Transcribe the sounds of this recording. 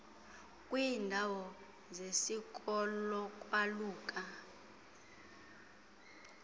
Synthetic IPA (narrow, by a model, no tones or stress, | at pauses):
kʼwindʱawɔ | zesik̬ʼɔlɔkʼwaluːkʼa